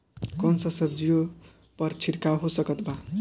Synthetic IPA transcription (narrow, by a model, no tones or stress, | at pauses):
kʌnsʌsʌb̚d͡zijo | pʌrt͡sʰiɾkawɦosʌkʌt̪ba